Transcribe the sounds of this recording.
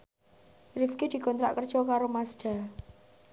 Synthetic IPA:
rɪfked̪̥i̤kɔnt̪ɾa̰ʔkərd̥ʒ̥ɔkaɾomasɖ̪̥a̤

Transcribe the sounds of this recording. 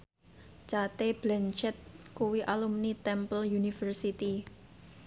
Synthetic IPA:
t͡ʃat̪eb̥lɛnt͡ʃɛt̪̚kuwiʔalumnit̪ɛmpəljunifərsit̪i

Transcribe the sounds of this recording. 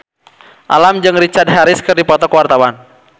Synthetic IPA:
ʔa̰lamd͡ʒɨŋrit͡ʃad̪̚ɦaɾɪskɨrdipɔt̪ɔkwart̪awan

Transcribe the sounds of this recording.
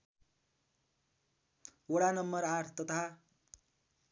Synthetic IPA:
oɽanʌmːʌɾaʈʰt̪ʌt̪ʰa

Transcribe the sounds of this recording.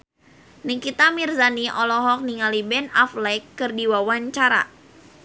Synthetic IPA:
niŋkit̪amirzaniʔɔlɔɦɔk̚niŋalibɛnaflɛkːɨrdiwawaɲt͡ʃaɾa̰

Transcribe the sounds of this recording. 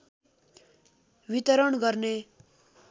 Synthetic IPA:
bit̪ʌɾʌɳɡʌrne

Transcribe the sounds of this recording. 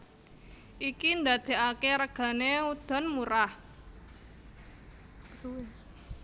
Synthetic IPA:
ʔikind̪ad̪̥e̤akeɾəɡ̥a̤neud̪̥ɔ̤nmuɾah | s

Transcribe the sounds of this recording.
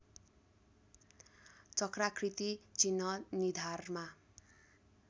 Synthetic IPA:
t͡sʌkrakʰrit̪it͡sinːʌnid̪ʱarma

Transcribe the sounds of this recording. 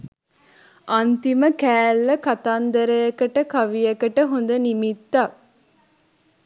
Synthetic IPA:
ʔɐnt̪iməkæːlːɐkɐt̪and̪ɐɾɐjɐkəʈəkɐʋijɐkəʈəɦund̪ənimit̪ːɐk

